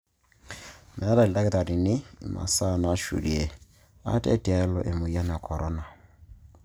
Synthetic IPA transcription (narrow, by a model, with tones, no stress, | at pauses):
mɛ˨˦da˨lda˦kɪ˦ta˨ɾi˨nɪ˦i˨ma̰˨sa˦˨na˨˦ʃṵ˨di˨e˨ | a̰˦tɛ̰˦ta˨ɛ˦lɔ˨ʔe˨mo˨ja˦nɛ˨a˨kʰɔ˨ɾʔɔ˦na˨